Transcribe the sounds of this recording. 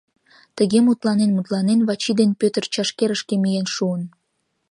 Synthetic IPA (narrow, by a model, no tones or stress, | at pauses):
t̪əɣemut̪lɑnenmut̪lɑnenβɑt͡ɕid̪enpøt̪ərt͡ɕɑʃkeɾəʃkemijenʃuən